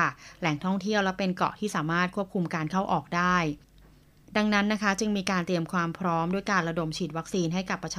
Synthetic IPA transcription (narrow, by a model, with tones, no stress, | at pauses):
a˥˩lɛ˨˩˦ŋt̪ʰɔ˥˩ŋt̪ʰi˥˩əwlɛ˦˥pe˧nkɔ̰˨˩t̪ʰiː˥˩saː˩˦maː˥˩t̪̚kʰu˥˩p̚kʰu˧mkaː˧nkʰa˥˩wʔɔː˨˩k̚daː˥˩j | da˧ŋna˦˥nːa˦˥kʰa˦˥t͡ɕɯ˧ŋmiː˧kaː˧nt̪ɾi˧əmkʰwaː˧mpʰɾɔː˦˥mdu˥˩əjkaː˧nɾa˧do˨˩mt͡ɕʰiː˨˩t̪̚wa˦˥k̚siː˧nɦa˥˩jka˨˩pːa˧t͡ɕʰː